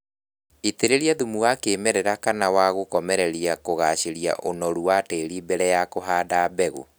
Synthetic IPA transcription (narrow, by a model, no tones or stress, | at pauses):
iteɾeɾiaðumuwakeːmɛɾɛɾakanawaɣokɔmɛɾɛɾiakoɣaɕeɾija̰ʔonɔɾuwateːɾibɛɾɛjakoɦaːdabɛɣo̰